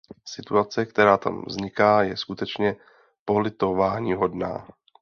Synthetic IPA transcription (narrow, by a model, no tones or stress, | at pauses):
sɪt̪uat͡sɛkt̪ɛɾaːt̪a̰mvzɲɪkaːjɛskut̪ɛt͡ʃɲɛ | po̞lɪt̪ovaːɲiːɦo̞dna̰ː